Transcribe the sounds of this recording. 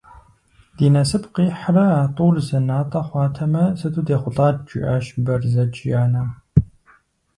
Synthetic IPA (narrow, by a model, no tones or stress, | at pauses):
d̥iːnɐsɨpqiːħrɐaːtʼuːrzɐnaːtʼɐχʷɑːtʰɐmɐsɨtʰʼuːdeːχʷʊɬʼaːd̚d͡ʒʼɪ̰ʔɐʃbɐrzɐt͡ʃʼjaːnɐm